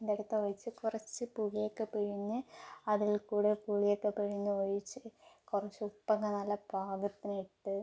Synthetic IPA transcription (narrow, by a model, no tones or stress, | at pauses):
end̪eɽut̪ːɐʋɐjt͡ɕːɨkurɐt͡ɕːɨpuɣijokːepiɻiɲːɨɐðilkuːɽekuːɭijokːepeɻiɲːɨʋoɻit͡ɕːɨkurɐt͡ɕːɨupːɐɣɐnɐlːɐbʱaːɡɐt̪ːiniʈːɨ